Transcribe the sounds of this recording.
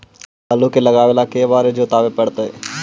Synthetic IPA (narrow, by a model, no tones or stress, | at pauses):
ɐlukelɐɡaːʋelakeːʋaːɾed͡ʒot̪aːʋepɐɽt̪oḛː